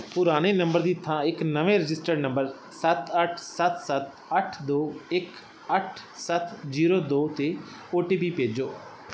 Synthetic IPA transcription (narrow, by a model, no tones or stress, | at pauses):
pʊɾaːñɽ̃eːnə̃mbəɾd̪iːt̪ʰːãːɪknəʋẽːɾɪd͡ʒɪsʈəɾɖnə̃mbəɾ | sət̪ʰəʈʰsət̪sət̪ | əʈʰd̪oːɪk | əʈʰsət̪ʰziːɾoːd̪oːt̪e | oːʈiːpiːpeːd͡ʒoː